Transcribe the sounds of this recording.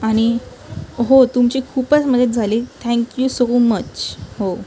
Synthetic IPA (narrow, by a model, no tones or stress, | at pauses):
aɽ̃i | ɦot̪umt͡ɕiːkʰuːpət͡sməd̪ʱjet̪̚d͡zʱaliːt̪ʰæ̃ŋkjusomət͡ɕho